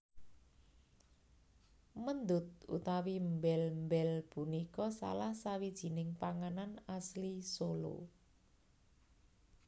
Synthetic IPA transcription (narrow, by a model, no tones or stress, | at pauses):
mənd̪ʊt̪̚ṵt̪awimbɛlmbɛlpunikɔsa̰lahsawid̥ʒ̥i̤nɪŋpaŋananaslisolo̰